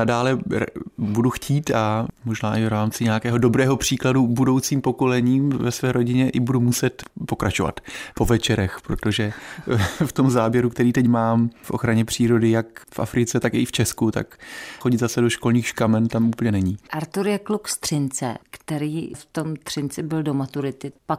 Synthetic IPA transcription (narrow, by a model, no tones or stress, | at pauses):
nadaːlɛɾbuduxcʰiːt̪amoʒnaːʔɪvɾaːmt͡sɪɲɛakɛːɦo̞do̞bɾɛːɦo̞pr̝̥iːkladubudo̞wt͡siːmpo̞ko̞lɛɲiːmvɛsvɛːɾo̞ɟɪɲɛʔɪbudumusɛt̪po̞kɾat͡ʃova̰t̪po̞vɛt͡ʃɛɾɛxpɾot̪o̞ʒɛ | ft̪o̞mzaːbjɛɾukt̪ɛɾiːt̪ɛcmaːmfʔoxɾaɲɛpr̝̥iːɾo̞dɪjakfʔa̰fɾɪt͡sɛt̪akɪft͡ʃɛskut̪a̰kxoɟɪd̪zasɛdo̞ʃko̞lniːxʃkamɛnt̪amʔuːpəlɲɛnɛɲiʔaɾt̪uɾjɛklukst̪r̥ɪnt͡sɛ̰kt̪ɛɾiːft̪omt̪r̝̥ɪnt͡sɪbɪldomat̪uɾɪt̪ɪpak